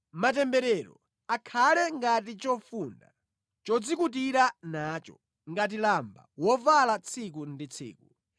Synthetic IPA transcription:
mat̬ɛmbɛɾɛɾɔ̰ | akʰalɛŋɡat̬it͡ʃɔfuːna̰ | t͡ʃɔd͡zikut̬iɾanaːt͡ʃɔ | ŋɡat̬ilamba̰wɔvalat͡sʰik̬undit͡sʰḭːku

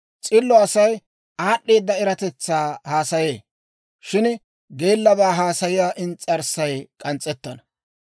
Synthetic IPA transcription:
t͡sʼɪlːɔɐsɐj | aːɗːe̞ːd̪ːɐɪɾɐt̪ɛt͡sːaːhaːsɐjeː | ʃɪn | ɡe̞ːlːɐbaːɦaːsɐjɪjaːʔɪnt͡sʼɐɾsɐjkʼɐnt͡sʼːɛt̪ːɐnɐ

